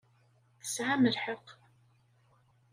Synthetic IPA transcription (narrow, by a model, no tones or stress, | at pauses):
θə̥sʕaməlħəq